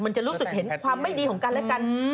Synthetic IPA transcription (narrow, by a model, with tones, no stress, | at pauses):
ma˧nt͡ɕa˨˩ʔɾuː˦˥sɯ˨˩k̚he˩˦nkʰwaː˧mːa˥˩jdiː˧kʰɔ˩˦ŋka˧nlɛ˦˥ka˧n